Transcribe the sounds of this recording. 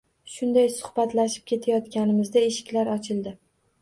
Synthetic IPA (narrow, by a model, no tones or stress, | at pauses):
ʃʊnd̪ajsʊ̥hbat̪laʃɪ̥p̚kʲʰe̞t̪ʰajɒt̪kʲanɪmɪzd̪ae̞ʃɪ̥kʲlaɾɒt͡ʃʰɪld̪ɪ